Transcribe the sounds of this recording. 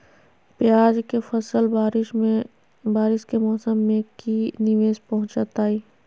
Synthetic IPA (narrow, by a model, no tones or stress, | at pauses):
pɪjaːd͡ʒkefɐsəlbaːɾɪʃme | baːɾɪʃkemɔːsəmːẽkinɪʋeːspɐɦʊ̃t͡ʃat̪aːiː